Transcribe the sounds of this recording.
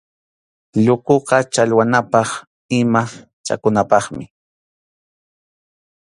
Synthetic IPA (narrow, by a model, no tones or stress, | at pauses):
ʎʊkoqɑt͡ʃalwanapɑχ | ɪma | t͡ʃa̰kʊnapɑχmɪ